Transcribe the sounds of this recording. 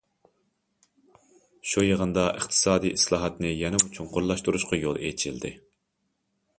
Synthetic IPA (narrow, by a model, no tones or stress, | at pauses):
ʃujəʁənd̪ɑʔəχt̪ʰɨ̥sɑːd̪ijislˠɑːɦɑt̪nɪjɛnɪmut͡ʃʰunqʰoɾlˠɑʃt̪uɾuʃqɑjolˠḛjt͡ʃʰild̪ɪ̰